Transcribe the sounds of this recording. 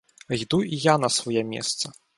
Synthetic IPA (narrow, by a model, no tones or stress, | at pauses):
d̪uijanɐsvɔjɛmʲɛ̰st̪sɐ